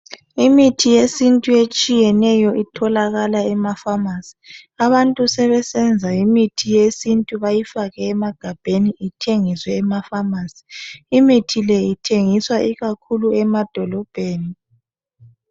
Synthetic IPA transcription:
imitʰijesintʼuet͡ʃʼijɛnɛjɔʔitʰɔlaɣalaɛmafamasi̥aβantʼusɛβɛsɛnd͡zʱaimitʰijesintʼuβajifaɣɛːmaɡ̥ʱab̥ʱeniʔitʰeŋiswɛːmafamaːsi̥ːmitʰilɛitʰeŋiswaʔiɣakʰuluɛmad̥ʱɔlɔb̥ʱeːni

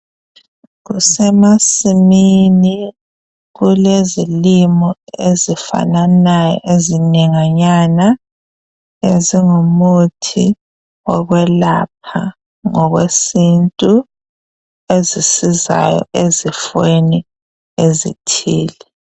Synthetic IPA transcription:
ɣusɛmasimini | ɣulezilimɔezifa̰nanajɔ̰eziniŋaɲana | eziŋumutʰḭ | ɔɣwɛlap̚ʰa̰ | ŋɔɣwesintʼu | ezisiza̰jɔ̰ʔezifweni | ezḭtʰiːlɛ

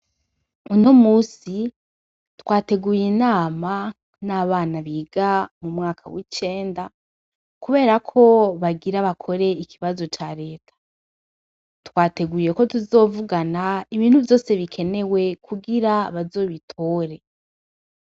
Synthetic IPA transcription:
uno̞muːsi | twaːte̞ɡuːjinaːma | naβaːnaβiːɡ̥amumŋaːkʰawit͡ʃe̞ːnda | kuβe̞ːɾakʰo̞βaɡiɾaβakʰo̞ɾe̞ikʰiβazo̞t͡ʃaɾe̞ːtʰḁ | twaːte̞ɡuːje̞ko̞tuzo̞ːvuɡanaiβiːn̥huvjo̞ːse̞βikʰe̞ne̞we̞kʰuɡiɾaβazo̞ːβitʰo̞ːɾe̞

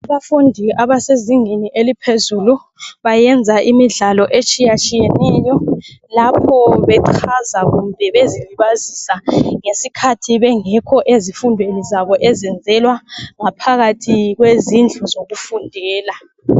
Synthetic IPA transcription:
aβafundʱiʔaβaseziŋiniʔelipʰezulu | βajɛnd͡zʱaʔimiɮalɔʔet͡ʃʼijat͡ʃʼijɛnɛjɔlapʰɔβɛǃʰazaɣumbʱɛβeziliβazisaŋesikʰatʰiβɛŋɛkʰɔʔezifundʱenizaβɔʔɛzɛnd͡zʱɛlwaŋapʰaɣatʰiɣwezind͡ɮʱɔzoɣufundʱɛːla

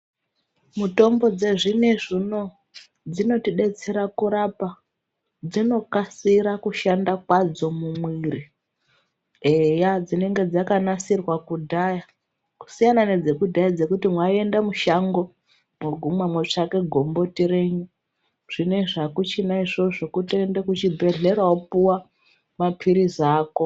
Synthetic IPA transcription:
muto̞mbo̞d͡ze̞ʐine̞ʐino̞ | d͡zino̞tiɗe̞t͡seɾakuɾapa | d͡zino̞kasiɾakuʃandakwad͡zo̞mumwiri | ejad͡zine̞ŋɡe̞d͡zakanasirwakudʱaja | ku̥sijanane̞d͡ze̞kudʱajad͡ze̞kutimwaie̞ndamuʃaŋɡo̞ | mwoɡʱumwamwet͡ʂake̞ɡʱo̞mbo̞tiɾe̞ɲu | ʐ̥ine̞ʐakut͡ʃinaiʐo̞ʐokutoendekut͡ʃibʱe̞ɮe̞ɾaopuwa | mapʰiɾizaːko̞

